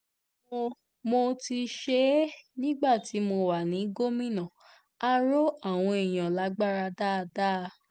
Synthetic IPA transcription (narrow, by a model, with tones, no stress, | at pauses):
mo˧ti˧ʃe˦nĩ˦ɡ͡ba˦˨ti˨˦mo˧wa˨nĩ˨˦ɡo˦mĩ˦nã˨ | a˦ɾo˦a˦˨w̃ɔ̃˧e˨j̃ã˨la˨˦ɡ͡ba˦ɾa˧da˦˧da˦˧